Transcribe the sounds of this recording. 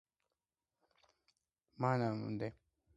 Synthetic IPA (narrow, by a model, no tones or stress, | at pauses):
manamṵnd̪e